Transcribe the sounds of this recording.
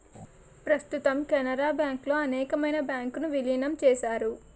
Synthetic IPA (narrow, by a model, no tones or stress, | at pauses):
pɾɐst̪ut̪ɐmkɛnɐɾaːbjaːŋklo̞ːɐnɛːkɐmɐjnɐbjaːŋkunuʋiliːnɐmt͡ʃɛːʃaːɾu